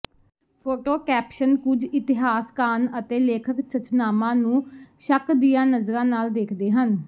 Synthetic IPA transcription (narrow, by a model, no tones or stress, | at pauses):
pʰoːʈoːkɛːpʃənkʊd͡ʒɪt̪ɪɦaːskaːnət̪eːleːkʰəkt͡ʃʰət͡ʃnaːmãːnũːʃəkd̪ɪjãːnəzɾãːnaːld̪eːkʰd̪eːɦən